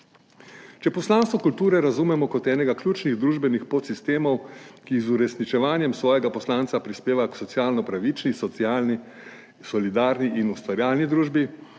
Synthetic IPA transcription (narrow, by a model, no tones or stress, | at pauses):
t͡ʃɛpɔslaːnst̪ʋɔkult̪uːɾɛɾazuːmɛmɔkɔt̪ɛːnɛɡakljuːt͡ʃniɣd̪ɾuːʒbɛnixpot̪sist̪eːmɔwkizuɾɛsnit͡ʃɛʋaːnjɛmsʋɔːjɛɡapɔslaːnt̪sapɾispeːʋaksɔt̪sjaːlnɔpɾaʋiːt͡ʃnis | sɔlid̪aːɾniʔinust̪ʋaɾjaːlnid̪ɾuːʒbi